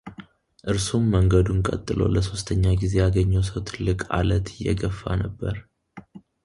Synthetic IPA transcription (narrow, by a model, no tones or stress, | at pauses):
ʔɨɾsumːəŋɡəd̪unkʼə̰t̪ʼːɨlo̞̰ləso̞st̪ʰəɲːaɡize̞jaɡəɲːəwsəwt̪ʰɨlːɨkʼa̰lət̪ɪjːɛ̰ɡəfːa̰nəbːəɾ